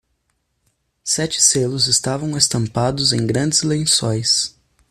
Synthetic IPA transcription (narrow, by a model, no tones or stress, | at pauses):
sɛt͡ʃɪ̥selʊzɪst̪avɐ̃w̃est̪ɐ̃mpad̪ʊzẽj̃ɡɾɐ̃nd͡ʒɪzlẽj̃sõj̃s